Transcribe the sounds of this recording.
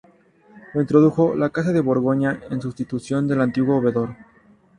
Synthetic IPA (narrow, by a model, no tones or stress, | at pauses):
loint̪ɾo̞ðuxo̞lakas̬aðe̞βo̞ɾɣo̞ɲae̞nsust̪it̪usjo̞nd̪e̞lant̪iɣwo̞ːβe̞ðo̞ɾ